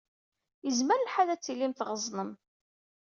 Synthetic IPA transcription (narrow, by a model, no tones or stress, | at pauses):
jəzməɾlħaðæt͡sːilːimθʁəzˤnəm